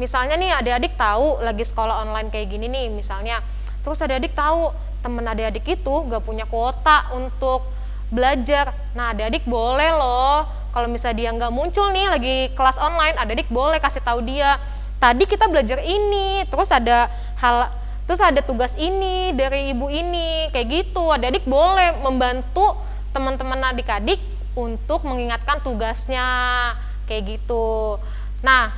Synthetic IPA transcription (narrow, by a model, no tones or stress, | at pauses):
misalɲanɪhadaadɪk̚t̪aulaɡisə̥kolaɦɔnlajɪnkajaɡininɪhmisalɲa | t̪əɾʊsadaadɪk̚t̪au | t̪əmənadaadɪkit̪uŋɡaʔpuɲakot̪aʔunt̪ʊk̚ | bəlad͡ʒar | nahadaadɪk̚bolɛhlɔ | kalomisaldiaŋɡaʔmuɲt͡ʃʊlnɪhlaɡikəlasɔnlajnadaadɪk̚bolɛhkasiht̪audia | t̪adikit̪abəlad͡ʒarinit̪əɾʊsada | hal | t̪əɾʊsadat̪uɡasinidaɾiːbuinikajaʔɡit̪uadadɪk̚bolɛhməmbant̪u | t̪əmənt̪əmənadikadɪk̚ | unt̪ʊk̚məŋiŋat̪̚kant̪uɡasɲa | kajaʔɡit̪u | nah